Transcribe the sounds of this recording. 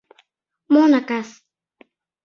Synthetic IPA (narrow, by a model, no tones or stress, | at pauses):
monakas